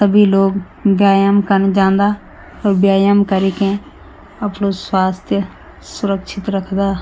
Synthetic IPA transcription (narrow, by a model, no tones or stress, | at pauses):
səbʱiːloːɡ | bjaːjəmkənd͡ʒãːnd̪aː | oːɾbjaːjəmkəɾiːkẽ | əpɳoːswaːst̪ʰjə | sʊɾəkʃɪt̪ɾəkʰd̪aː